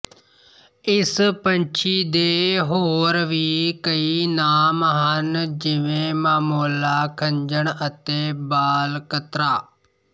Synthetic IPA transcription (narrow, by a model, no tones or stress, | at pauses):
ɪspəɲt͡ʃʰiːd̪eːɦoːɾʋiːkəiːnaːmɦənd͡ʒɪʋẽːmaːmoːlaːkʰəɲd͡ʒəɳət̪eːbaːlkət̪ɾaː